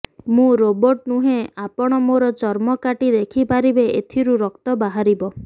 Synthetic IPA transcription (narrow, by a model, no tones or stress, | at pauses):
mũɾobɔɾʈ̚nuɦeapɔɽ̃ɔmoɾɔt͡ʃɔɾmɔkaʈid̪ekʰipaɾibeet̪ʰiɾuɾɔkt̪ɔbaɦaɾibɔ